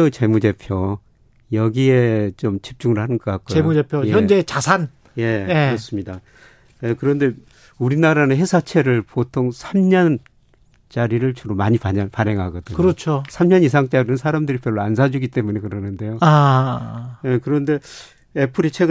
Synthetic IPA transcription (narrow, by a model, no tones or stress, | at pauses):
ot͡ɕe̞mude̞pʰjo | jʌɡie̞t͡ɕomt͡ɕip̚t͡ɕ͈uŋɯɭhanɯnɡʌk͈ak͈ojemud͡ʑepʰjojʌnd͡ʑet͡ɕasʰan | je̞kɯɾʌs͈ɯmɲida | ekɯɾʌnde̞ | uɾinaɾanɯnɦe̞sʰat͡ɕʰe̞ɾɯɭpotʰoŋsʰamɲʌn | t͡ɕaɾiɾɯɭt͡ɕuɾomaɲipapaɾɦe̞ŋɦaɡʌdɯɲkɯɾʌt͡ɕʰosʰamɲʌnis̬ʰaŋt͡ɕ͈aɾinɯnsʰaɾamdɯɾipjʌɭːoans̬ʰad͡ʑuɡit͈e̞munekɯɾʌnɯnde̞joa | jekɯɾʌnde̞ | epʰɯɾet͡ɕʰe̞ɡ